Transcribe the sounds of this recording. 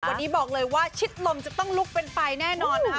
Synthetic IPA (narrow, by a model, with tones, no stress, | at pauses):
wnːiː˦˥bɔː˨˩k̚lɤː˧jwaː˥˩t͡ɕʰi˦˥t̪̚lo˧mt͡ɕa˨˩t̪ɔ˥˩ŋluː˦˥˩k̚pe˧nfa˧jnɛː˥˩nɔː˧˩n